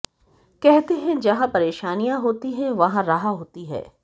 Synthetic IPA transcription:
kɛɦt̪eɦɛ̃d͡ʒɐɦãpɐɾeːʃaːnijãɦoːt̪iɦɛ̃ʋɐɦãɾɐɦaɦoːt̪iɦɛ̰ː

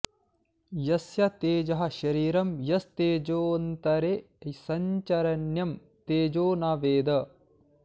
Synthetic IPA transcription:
jɐsjɐt̪eːd͡ʒɐɦɐ̆ʃɐɾiːɾɐmjɐst̪eːd͡ʒoːnt̪ɐɾe | ɐisɐɲt͡ʃɐɾɐnjɐm | t̪eːd͡ʒoːnaːʋeːd̪ɐ

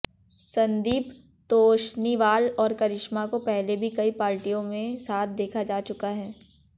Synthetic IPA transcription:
sɐ̃nd̪iːp | t̪oːʃniʋaːlɔːɾkɐɾɪʃmakopɛɦlebʱikɐipaːɾʈijõmẽsaːt̪̚ʰd̪eːkʰad͡ʒaːt͡ʃʊkaɦɛː

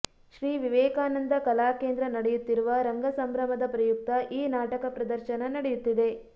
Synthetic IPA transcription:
ʃɾiːʋiʋɛːkaːnɐnd̪ɐkɐlaːke̞ːnd̪ɾɐnɐɽejut̪ːiɾuʋɐɾɐŋɡɐsɐmbɾɐmɐd̪ɐpɾɐjuk̚t̪ɐʔiːnaːʈɐkɐpɾɐd̪ɐɾʃɐnɐnɐɽejut̪ːid̪e̞

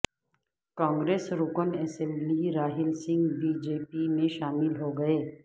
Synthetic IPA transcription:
kãːŋɡɾeːsɾʊkənɛːsɛ̃mbliɾaːɦɪlsɪ̃ŋɡbiːd͡ʒeːpimẽʃaːmɪlɦoɡɐeː

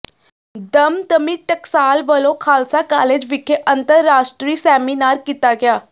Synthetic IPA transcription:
d̪əmd̪əmiːʈəksaːlʋəlõːkʰaːlsaːkaːleːd͡ʒʋɪkʰeːʔənt̪əɾːaːʃʈɾiːsɛːmiːnaːɾkit̪aːɡɪaː

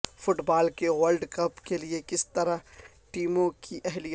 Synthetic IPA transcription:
fʊʈbaːlkeʋəlɖkɐpkeliekɪst̪ɐɾa | ʈiːmõkiʔɛɦlij

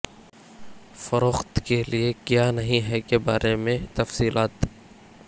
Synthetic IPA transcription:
fɐɾoːxt̪keliekjanɐɦĩɦɛkebaːɾʔemẽt̪ɐfsiːlaːt̪ː

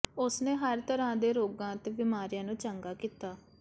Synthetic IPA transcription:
ʊsneːɦəɾt̪əɾãːd̪eːɾoːɡãːt̪eːbɪmaːɾijãːnũːt͡ʃəŋɡaːkiːt̪aː

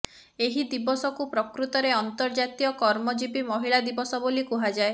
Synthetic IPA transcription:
eɦid̪ibɔsɔkupɾɔkɾut̪ɔɾeɔnt̪ɔɾd͡ʒat̪ijɔkɔɾmɔd͡ʒipimɔɦiɭad̪ibɔsɔbolikuɦad͡ʒae

